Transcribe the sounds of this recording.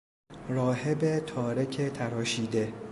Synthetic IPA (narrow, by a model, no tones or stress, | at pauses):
ɾɒːhebet̪ʰɒːɾecʰet̪ʰæɾɒːʃiːd̪e̞